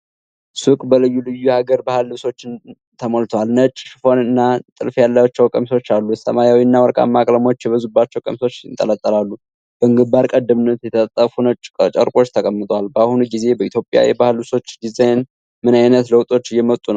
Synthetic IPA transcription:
sɨkʼbəlɨjːulɨjːuhaɡəɾbahɨlwso̞t͡ʃːɪn | t̪ʰəmolt̪ʰwalnət͡ʃʼːʃɨfo̞nɨnːat̪ʼɨ̰lfjalːawat͡ʃːɛwkʼəmso̞t͡ʃːalːusə̰majawinːawɔɾkʼa̰mːakʼləmo̞t͡ʃːjɛβəzubːat͡ʃːɛwkʼə̰mso̞t͡ʃːɨnt̪ʼələt̪ʼːəlalːu | b̥əɨŋɡɨbaɾkʼəd̪ːɨmɨnːət̪jɛt̪ʰət̪ʼːəfunət͡ʃʼə̰ɾkʼo̞t͡ʃːt̪ʰəkʼəmːɨt̪ʼwalbahunuɡize̞bəit̪jo̞pʼja̰jɛ̰bahɨlwuso̞t͡ʃːɡizen | mɨnajnət̪ləwt̪ʼo̞t͡ʃːjɛmət̪ʼːunəw

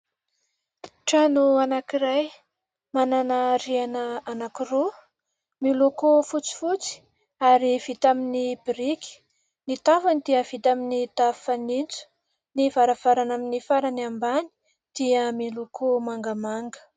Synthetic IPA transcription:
ʈ͡ʂanuanakiɾaj | mananaɾianəanakiro | milokofut͡si̥fut͡si̥ | aɾiv̥it̪aminibiɾikʲi̥ | nit̪avanid̪iəv̥it̪aminit̪afanint͡su̥ | nivaɾav̥aɾanaminifaɾaniambani̥ | d̪̥iəmilokʰomaŋɡəmaŋɡə̥

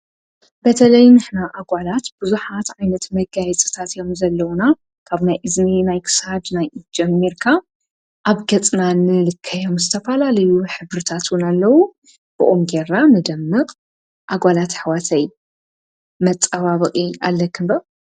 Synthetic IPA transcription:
b̥ɐt̪ʰɐlɐjnɨħnaʔaɡʷalat̪b̥ɨzuħat̪ʕajnɐt̪mɐɡajɛt͡sʼɨ̥t̪ʰat̪jo̞mzɐlːɐwuna | kʰaβnajʔɨzminajkʰɨ̥sad̪najʔd͡ʒɛmːiɾkʰa | ʔaβɡɐt͡sʼnanɨlɨkʰːɐjo̞mzɨt̪ʰɐfɐlalɐjuħɨβɾɨt̪ʰat̪wʊnalːɐwu | b̥ɨ̰ʔomɡe̞ɾnanɨd̪ɐmːɨqʼ | ʔaɡʷalat̪ħwat̪ʰɐj | mɐt͡sʼːɐβaβɨqʼia̰lːɐkʰɨnbɐ

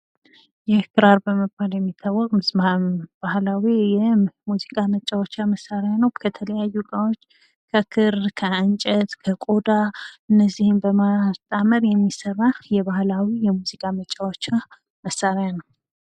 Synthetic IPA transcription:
jɛkɨɾaɾbəməbːaljɛmːit̪ʰːawːɔkʼmɨzabahlawijɛmuzikʼamət͡ʃʼːawot͡ʃːaməsːaɾanəwkʰət̪ʰələjajːukʼawot͡ʃː | kʰəkʰɨɾkʰəɨnt͡ʃʼət̪kʰəkʼod̪aʔɨnːəzːihɨmbəmast̪ʼaməɾjɛmːisərːajɛβahlawijɛmuzikʼamət͡ʃʼːawot͡ʃːa | məsːaɾanəw

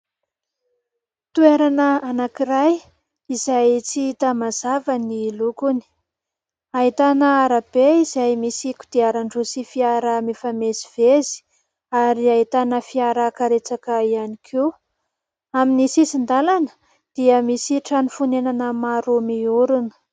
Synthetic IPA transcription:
t̪ueɾanəanakiɾaj | izajt͡siit̪amazavənilukuni̥ | aɦit̪anəaɾab̥eizajmisiku̥d̪̥eaɾaɳɖ͡ʐusifiaɾəmefameziv̥ezi̥ | aɾiaɦit̪anəfiaɾəkaɾet͡sakaianikʰe | aminisisind̪alanə | d̪̥iəmisiʈ͡ʂanufunenanəmaɾumiuɾunə̥

